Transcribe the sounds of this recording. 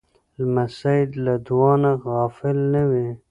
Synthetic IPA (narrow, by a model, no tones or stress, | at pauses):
lmasad̪lad̪wɑːnaɣɑːfɪlnəwi